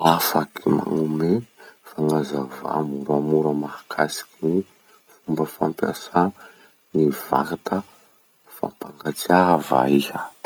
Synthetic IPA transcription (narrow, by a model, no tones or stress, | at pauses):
afakima̰ŋumefaŋazava̰muɾamuɾəmahakʰasi̥kini | fumbəfampja̰sa | niv̥a̰kat̪ʰə | fa̰paŋɡat͡siava̰ihə